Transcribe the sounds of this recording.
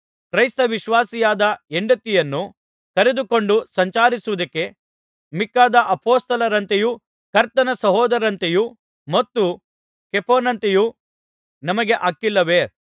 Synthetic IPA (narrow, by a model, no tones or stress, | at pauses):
kɾɐjst̪ɐʋiʃʋaːsijaːd̪ɐeɳɖɐt̪ːijɐnːu | kɐɾe̞d̪uko̞ɳɖusɐɲt͡ʃaːɾisuʋud̪ɐkːe̞ | mikːaːd̪ɐʔɐpoːst̪ɐlɐɾɐnt̪eju | kɐɾt̪ɐnɐsɐɦɔːd̪ɐɾɐnt̪eju | mɐt̪ːu | kepʰoːnɐnt̪eju | nɐmɐɡe̞ʔaːkːilːɐʋe